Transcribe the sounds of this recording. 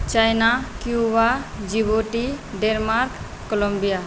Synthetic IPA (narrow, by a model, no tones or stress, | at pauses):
t͡ʃajnakjubad͡ʒiboʈiɖenmaɾkː | ɔlɔmbija